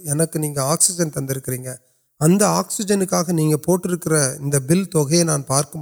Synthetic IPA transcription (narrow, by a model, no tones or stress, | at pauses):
ɛnɐkːɯniːŋɡɐaːksɪd͡ʒɐnt̪ɐnd̪ɪɾɯkːɪɾiːŋɡɐ | ɐnd̪ɐaːksɪd͡ʒɐnɯkːaːɣɐniːŋɡɐpoːʈːɪɾɯkːɪɾɐɪ̰nd̪ɐbɪlt̪ɔɣɐjɐnaːnpaːɾkɐm